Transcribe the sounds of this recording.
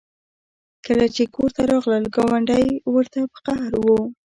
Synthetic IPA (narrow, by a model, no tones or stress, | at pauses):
kəlat͡ʃekoɾt̪aɾɑɣləlɡɑwaɳɖajwəɾt̪apə̥qahɾwo